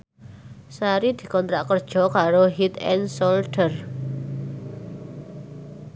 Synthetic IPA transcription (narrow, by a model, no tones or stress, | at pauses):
saɾid̪̥i̤kɔnt̪ɾaʔkərd̥ʒ̥ɔ̤kaɾoɦit̪ɛ̰nsɔlʈər